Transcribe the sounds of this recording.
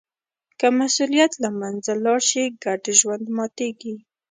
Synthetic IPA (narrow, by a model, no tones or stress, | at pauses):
kəmasulijat̪lamanzalɑɽʃiɡaʈeʒwand̪mɑt̪eɡi